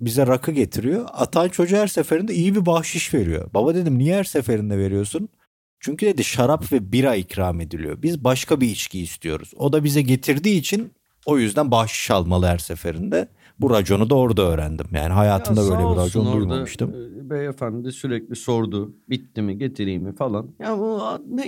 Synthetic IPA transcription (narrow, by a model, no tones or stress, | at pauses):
bizɛɾakʰɯɟe̞t̪ʰiɾijo̞a̰t̪ʰant͡ʃʰo̞d͡ʒuhæɾse̞feɾind̪ɛijibibahʃɯʃve̞ɾijo̞̰babad̪e̞d̪imnijɛɛæɾse̞fe̞ɾind̪ɛve̞ɾijo̞sun | t͡ʃʰyɲcʰyd̪e̞d̪iʃaɾapvɛbiɾaicɾaːme̞d̪ilʲḭjo̞̰bizbaʃkʰabiːt͡ʃciːst̪ʰijo̞̰ɾṵz̥o̞d̪abizɛɟe̞t̪ʰiɾd̪iːt͡ʃʰin | o̞jyzd̪ænbahʃi̥ʃalˠmalˠɯɦæɾse̞fe̞ɾind̪ɛ | buɾad͡ʒo̞nud̪ao̞ɾd̪aøːɾæ̰nd̪imja̰ːniɦajaːt̪ʰɯnd̪abø̞jlʲebiɾad͡ʒo̞nddujmmuʃt̪ɯmbejefænd̪ɛsyɾɛclʲiso̞ɾd̪ʊbit̪ʰːimiɟet̪ʰiɾijmifalˠanjauanɛ